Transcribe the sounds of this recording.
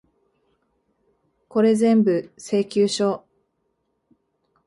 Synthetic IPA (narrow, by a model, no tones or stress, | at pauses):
ko̞ɾe̞zẽ̞mbɯ̟se̞ːkʲɨːɕo̞ː